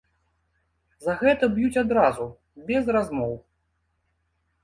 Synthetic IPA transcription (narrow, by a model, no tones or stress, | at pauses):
zɐɣɛt̪ɐbjut͡sʲad̪ɾazu | bʲɛzrazmɔw